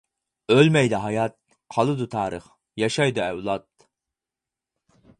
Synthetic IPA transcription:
ølmɛjd̪ɛɦɑjɑt̪̚ | qʰɑlˠɨd̪ut̪ʰɑːɾəχ | jɑʃɑjd̪ɨɛwlˠɑt̪

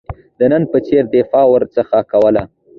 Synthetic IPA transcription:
d̪̥ənənpət͡seɾd̪ɪfɑwəɾt͡səxakawəla

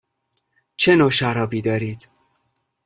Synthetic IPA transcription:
t͡ʃʰenoʃæɾɒːbiːd̪ɒːɾiːd̪̥

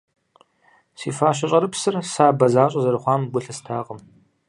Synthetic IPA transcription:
sḭːfaːɕ̬ɐɕʼɐɾɨpsɨrsaːbɐzaːɕʼɐzɐɾɨχʷɑːmbʷʊɬɐstʰaːqəm

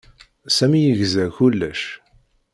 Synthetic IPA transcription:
sæmijəʝzæçulːæʃ

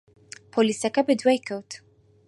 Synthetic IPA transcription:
pʰɔlisakabɛd̪wɛjkʰəwt̪ʰ

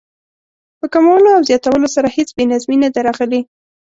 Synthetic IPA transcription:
pəkamawəloawzjɑt̪awəlosaɾahet͡sbenazminad̪eɾɑɣəli

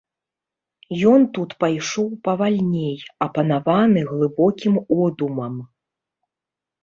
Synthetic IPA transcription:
jɔnt̪ut̪pajʂɔwpɐvalʲnʲejɐpɐnavanɨɣlˠɨbɔkʲimɔd̪umɐm

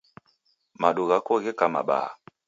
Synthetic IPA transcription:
maɗuɣakɔɣekama̰ɓa̰

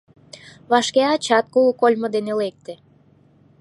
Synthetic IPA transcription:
βɑʃkeɑt͡ɕɑt̪̚kulkolʲmə̆d̪enelek̚t̪ĕ

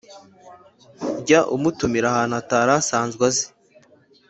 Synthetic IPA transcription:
ɟaʔumutumiɾahaːnuataːɾasaːnzɡwaze̥

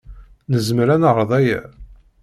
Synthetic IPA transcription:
nəzmɾænəʁəɾˤðˤæjæ̰

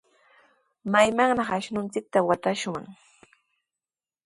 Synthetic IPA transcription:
majmaŋnɑχaʃnʊnt͡sɪk̚t̪awat̪aʃwaŋ

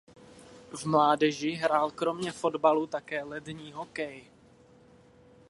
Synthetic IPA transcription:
vmlaːdɛʒɪɦɾaːlkɾo̞mɲɛfo̞dbalut̪akɛːlɛdɲiːɦokɛj

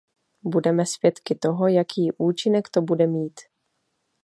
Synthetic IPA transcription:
budɛmɛsvjɛt̪kɪt̪o̞ɦo̞jakʰiːʔuːt͡ʃɪnɛkt̪o̞budɛmiːt̪

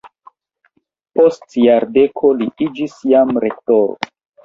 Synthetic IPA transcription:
postjaɾde̞kʰo̞liʔid͡ʒisjamɾe̞ktoɾo̰

